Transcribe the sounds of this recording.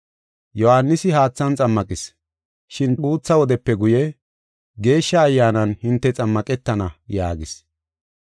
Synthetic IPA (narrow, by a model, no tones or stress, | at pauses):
jɔhanːɪsɪɦaːt͡sːɐnt͡sʼɐmːɐkʼɪs | ʃɪnuːt͡sːɐwɔd̪ɛpːɛɡʊjɛ | ɡe̞ːʃːɐːjːaːnɐnhɪnt̪ːɛt͡sʼɐmːɐkʼɛt̪ːɐnɐja̰ːɡɪs